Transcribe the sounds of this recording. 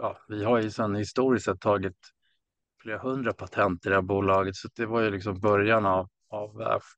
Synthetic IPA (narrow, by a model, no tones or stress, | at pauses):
jɑːvɪhaɾjɵsɛnːhɪst̪uːɾɪst̪sɛt̪ʰːɑːɡɪt̪ | fleːɾahɵnd̪ɾapʰat̪ʰɛnt̪əɾɪd̪ɛhæːɾbuːlɑːɡət̪sɔt̪̚d̪ɛvaɾjɵlɪksɔmbœɾjanav | avːæ̰ɧ